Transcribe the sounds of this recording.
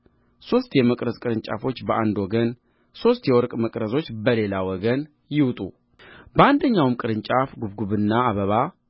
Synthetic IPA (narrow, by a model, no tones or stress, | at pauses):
so̞st̪jɛməkʼɾəzkʼɨɾɨnt͡ʃʼa̰fo̞t͡ʃːbəʔand̪wɔɡən | so̞st̪jɛwɔɾkʼməkʼɾəzo̞t͡ʃːbəle̞lawɔɡən | jɪwt̪ʼu | bəand̪əɲːawmkʼɨɾɨnt͡ʃʼafɡuβɡuβɨnːaːβəβa